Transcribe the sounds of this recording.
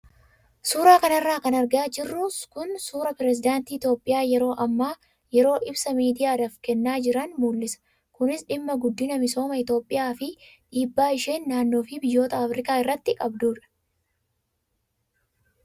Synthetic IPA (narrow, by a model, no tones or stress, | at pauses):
suːɾaːkɐnɐrːaːkɐnɐɾɡaːd͡ʒɪrːʊkʊnsuːɾɐpɾɛs̬ɪd̪aːnt̪iːɪt̪jo̞ːpʼːɪjaːjɛɾo̞ːʔɐmːaː | jɛɾo̞ːʔɪbsɐmiːd̪ɪjaːd̪ɐfkɛnːaːd͡ʒɪɾɐnmuːlːɪsɐ̥ | kʊnɪsᶑɪmːɐɡʊd̪ːɪnɐmɪso̞ːmɐɪt̪o̞ːpʼːɪjaːfɪᶑiːbːaːɪʃeːnːaːnːo̞ːfɪbɪjːo̞ːt̪ɐɐfɾɪkaːɪrːɐt̪ːɪkʼɐbd̪uːᶑɐ̥